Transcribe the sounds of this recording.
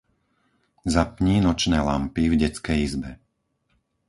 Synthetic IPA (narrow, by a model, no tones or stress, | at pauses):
zapɲiːnɔt͡ʃnɛːla̰mpivɟɛt͡skɛjizbɛ